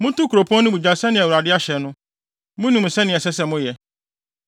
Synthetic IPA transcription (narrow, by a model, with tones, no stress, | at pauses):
mʊ̃˦tʊ̃˦kʰu˨ɾo˨pʰɔ̃˦nʊ̃˦bu˨d͡ʑa˨sɛ˦nɪ̃˨wu˨ɾa˨dɪ˦a˦ɕɛ˨nʊ̃˦ | mʊ̃˦nũ˨m˨sɛ˦nɪ̃˨ɛ˨sɛ˦sɛ˦mʊ̃˦jɛ˨